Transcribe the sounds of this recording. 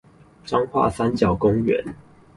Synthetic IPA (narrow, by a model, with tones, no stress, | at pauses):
ʈ͡ʂɑ˦ŋxwa̰˥˨sa˦nt͡ɕjɑ˨˩ʊkʊ˦ŋɥɛ̰˨˧˦n